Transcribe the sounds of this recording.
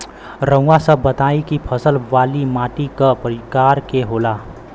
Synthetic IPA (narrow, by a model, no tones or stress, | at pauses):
ɾə̃w̃ɡasəbət̪aikipʰəsəlʋalimaʈikəpəɾikaɾkeɦola